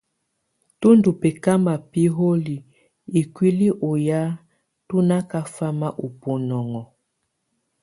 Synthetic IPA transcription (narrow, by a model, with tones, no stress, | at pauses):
tu˦ndu˨pe˨ka˦ma˨pi˦ɦo˦li˨ | i˨kwi˦li˦ʔo˨ja˦ | tu˦na˦ka˦fa˦ma˦ʔo˨po˨nɔ˨ŋɔ˨